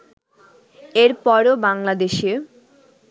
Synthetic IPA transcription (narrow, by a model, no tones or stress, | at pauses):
eɾpɔɾobaŋlad̪eʃe